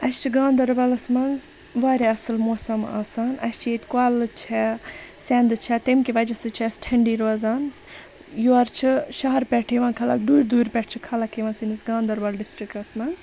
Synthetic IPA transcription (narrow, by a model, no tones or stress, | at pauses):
ɐst͡ʃʰiɡãːnd̪ɐɾbɐlɐsmɐnz | ʋaːɾʲeɐsɨlmoːsɐma̰ːsaːnɐ̰st͡ʃʰjet̪ʲkaːlɨt͡ʃʰɛseːnd̪ɨt͡ʃʰɛt̪emkiʋɐd͡ʒɐsɨt͡ʃʰɐsʈʰɐɳɖiːɾoːzaːn | juɐɾt͡ʃʰɨʃɐɦɐɾpʲɛʈʰiʋãːnkʰɐla̰d̪uːɾʲd̪uːɾʲpʲɛʈʰt͡ʃʰɨkʰɐlɐkiʋɐ̃nsinisɡãːnd̪ɐɾbɐlɖisʈɾikʈɐsmɐnz